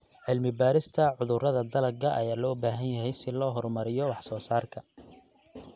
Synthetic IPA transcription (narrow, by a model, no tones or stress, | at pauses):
ʕɪlmɪbaːɾɪst̪ʰɐʕʊðʊrɐðɐd̪ɐlɐɡɐʔɐjaːlɔːbaːɦɐnjɐɦɛjsɪlɔːɦɔrmɐɾɪjɔwɑħsɔːsaːrkʰɐ